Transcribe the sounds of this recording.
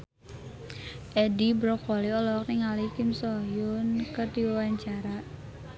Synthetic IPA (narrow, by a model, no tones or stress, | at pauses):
ʔɛdibɾɔkwɔliɔlɔk̚niŋalikimsɔjʊnkət̪iwwaɲt͡ʃaɾaʔ